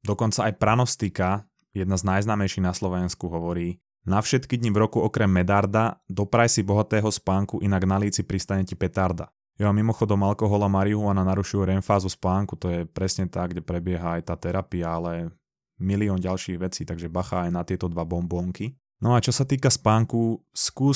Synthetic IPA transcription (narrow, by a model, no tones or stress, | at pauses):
d̪ɔkɔnt͡saajpɾanɔst̪ika | jɛd̪̚naznajznaːmɛjʃiɣnaslɔʋɛnskuɦɔʋɔɾiː | nafʃɛt̪kid̪ɲivɾɔkuɔkɾɛmːɛd̪aɾd̪ad̪ɔpɾajsibɔɦat̪ɛːɦɔspaːŋkuʔinaɡnaliːt͡sipɾist̪aɲɛcipɛt̪aɾd̪a̰ | jɔamːimɔxɔd̪ɔmalkɔɦɔlamaɾiuɦumananaɾuʃujɛɾɛnfaːzuspaːŋkut̪ɔjɛpɾɛsɲɛt̪aɡɟɛpɾɛbɪɛɦaajt̪aːt̪ɛɾapiaalɛ | miliɔːnɟalʃiːɣʋɛt͡siːt̪aɡʒɛbaxaːjnat̪ɪɛt̪ɔd̪ʋabɔmbɔːŋki | nɔat͡ʃɔsat̪iːkaspaːŋkuskuː